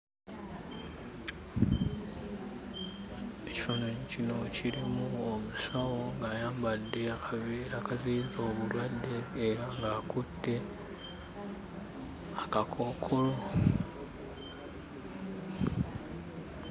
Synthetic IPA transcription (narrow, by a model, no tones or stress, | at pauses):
e̞ci̥fonocino̞ciɾimuomusawo̞ŋɡaːjaːmbadːe̞aɾakaziːzoːβulwadːeːɾaŋɡaːkudːe̞ | akakʰo̞ːkʰo̞lo